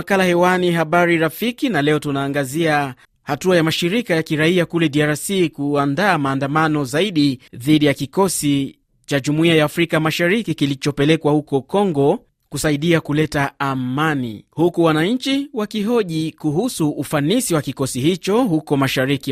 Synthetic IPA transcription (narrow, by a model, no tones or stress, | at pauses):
kalahɛwaniɦaɓaɾiɾafikinalɛɔtunaːŋɡazia | hatuajamaʃiɾikajakiɾaiakulɛdiaɾasikuandaːmaːndamanɔzaiɗiðiɗijakikɔsi | t͡ʃaʄumuiajaːfɾikamaʃaɾikikilit͡ʃɔpɛlɛkwahukɔkɔŋɡɔ | kusaiɗiakulɛtaamanḭhukuwanaɲ̩t͡ʃiwakiɦɔʄikuhusuːfanisiwakikɔsihit͡ʃɔhukɔmaʃaɾiki